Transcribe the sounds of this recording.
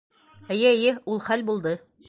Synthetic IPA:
æjæjɘulˠχælbulˠd̪ɤ

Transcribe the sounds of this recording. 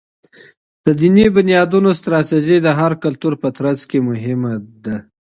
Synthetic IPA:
d̪̥əd̪inibʊnjɑd̪unost̪ɾɑt̪iʒid̪əɦaɾkalt̪uɾpət̪ɾazkemʊɦɪmad̪a

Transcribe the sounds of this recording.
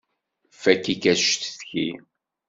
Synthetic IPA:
fækːikæʃt̪θçḭ

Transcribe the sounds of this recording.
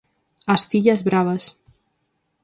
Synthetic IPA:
ast̪iʎazβɾaβɐs

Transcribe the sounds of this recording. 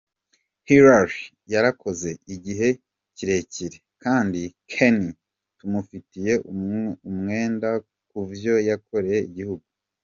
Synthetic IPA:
hiɾaɾi | jaɾako̞ze̞ʔiɟiɦe̞ | ciɾe̞ciɾe̞kaːndikʰeni | tumufitije̞ʔumŋe̞ːnda | kuvjo̞jakʰo̞ɾeje̞iɟihuɡu

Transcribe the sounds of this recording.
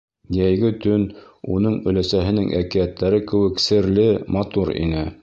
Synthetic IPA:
jæjɡɘt̪ɵn | unɤɴɵ̆læsæɦɘ̆nɘŋʔæ̰kijæt̪ːæɾɘkɘ̆wɘ̆ksɘ̆ɾlɘmɑt̪uɾḭnɘ

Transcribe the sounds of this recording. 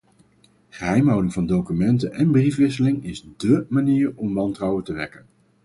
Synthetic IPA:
χəɦɛjmɦɑwdɪŋv̥ɑndowkymɛntənʔɛnbrifʋɪsəlɪŋɪzdəmaniːɹɔmʋɑntrɑwətəʋɛ̰kən

